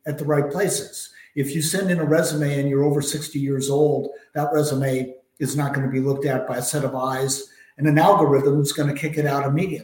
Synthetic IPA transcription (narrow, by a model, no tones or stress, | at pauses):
ɨt̪̚ðəɹaɪt̚pʰl̥eɪsɪz̥ɨfjɨsɛ̃ndɨ̃nəɹɛzəmeɪɨ̃njə˞oʊvə˞sɪkstijɪɹzoʊlˠd̪̚ðət̚ɹɛzəmeɪ | ɨznət̚ɡ̥ʌnɨbilʊk̚tɨt̚b̥aɪɨsɛɾʌvaɪz | ɨ̃nɨ̃nælˠɡə˞ɪðə̃mzɡʌnɨkʰɪkɨɾaʊɾɨmiɾiɨ̃